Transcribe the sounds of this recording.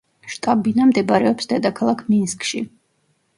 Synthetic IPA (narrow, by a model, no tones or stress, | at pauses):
ʃt̪ʼabinamd̪ɛbɾɛɔpsd̪ɛd̪akʰalˠakʰminskʼʃḭ